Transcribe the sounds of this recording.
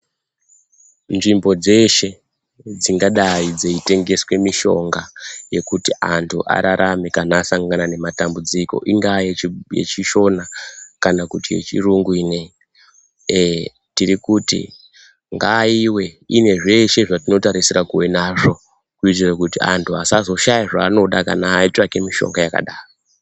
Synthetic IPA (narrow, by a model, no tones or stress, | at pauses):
nʐimbo̞d͡ze̞ʃe̞ | d͡ziŋɡaɗaid͡zeite̞ŋɡe̞swe̞miʃo̞ŋɡaje̞kutiʔantʰuʔa̰ɾaɾʔamekanasaŋɡanane̞matambud͡ziko̞̰ʔiŋɡajejḛt͡ʃiʃo̞nakanakutije̞̰t͡ʃiruŋɡuiːne̞i | e | tirikutḭ | ŋɡaiwe̞ine̞ʐe̞ʃe̞ʐatino̞taɾisirakuwe̞naʐo̞ | kuitirakutia̰ntʰuasazo̞ʃajaʐaːno̞ɗaka̰naːit͡ʂake̞miʃo̞̰ŋɡajaka̰ɗaːro